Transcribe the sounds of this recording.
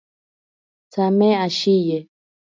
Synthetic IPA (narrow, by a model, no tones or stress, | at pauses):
t͡samɛ̃aʃijɛ